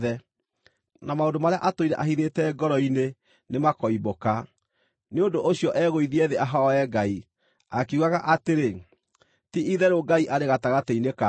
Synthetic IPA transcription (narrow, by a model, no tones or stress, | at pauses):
ɛ | namaondomaɾeaʔatoiɾɛʔahiðetɛːɡɔɾɔine | nemakɔiboka | neondoʔoɕjɔʔɛɣoiðiɛðeʔaɦaɔɛɡai | akeuɣaɣaʔateɾe | tiʔiðɛɾoɡaiʔaɾeɣataɣatɛineka